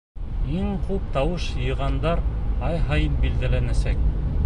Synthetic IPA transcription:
iŋqʉp̚t̪ɑwɤʃjɤ̆jʁɑnd̪ɑɾɑjɦɑjɤnbild̪ælænæsæk̚

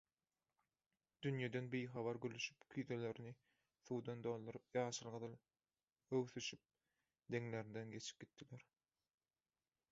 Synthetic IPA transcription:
d̪̥ynjed̪enbijxɑβɑɾɡylyʃy̥pkʰyθele̞ɾini | θuːd̪ɑnd̪o̞ːlˠd̪uɾɯp̚jɑːʃɯlˠʁɯðɯlˠ | øwθyʃyp̚ | d̪e̞ŋle̞ɾind̪enɡe̞t͡ʃʰi̥p̚ɡ̥ʲit̪ːileɾ

